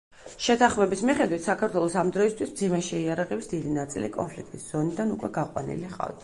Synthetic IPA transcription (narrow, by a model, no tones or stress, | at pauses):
ʃɛt̪ʰaχmɛbismiχɛd̪wit̪ʰsakʰaɾt̪ʰwɛlˠɔsamd̪ɾɔist̪ʰwismd̪zimɛʃɛiaɾaʁɛbisd̪id̪inat̪sʼḭlḭkʼɔ̰npʰlik̚t̪ʼisz̥ɔnid̪anukʼwɛɡaqʼwa̰nḭliχʼa̰vt̪